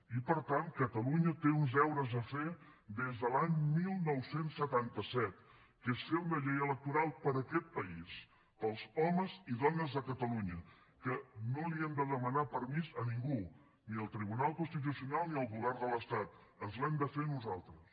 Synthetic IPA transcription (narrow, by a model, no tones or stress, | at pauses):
ipəɾt̪ankət̪əluɲət̪eunzɛwɾəzəfe | d̪ezðəlaɲmilˠnɔwsensːət̪ant̪əsɛt̪ | kesfeunəʎejələk̚t̪uɾalˠpəɾəkɛt̪̚pəis | pəlˠzɔməziðɔnəzðəkət̪əluɲə | kənoliɛmd̪əðəmənapəɾmizəniŋɡu | niəlˠt̪ɾiβ̞unalˠkunst̪it̪̬usiunalˠniəlˠɣuβɛɾd̪ələst̪at̪əzlɛmd̪əfenuzalˠt̪ɾəs